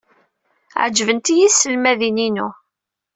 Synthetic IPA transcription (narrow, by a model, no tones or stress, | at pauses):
ʕd͡ʒːvənt̪ijisːəlmæðininṵ